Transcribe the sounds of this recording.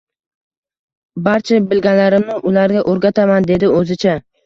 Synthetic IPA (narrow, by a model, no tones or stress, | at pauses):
baɾt͡ʃʰabɪlɡʲanlaɾɪmnɪʔʊlaɾɡʲaʔoɾɡʲat̪ʰamand̪e̞d̪ɪɵzɪt͡ʃʰa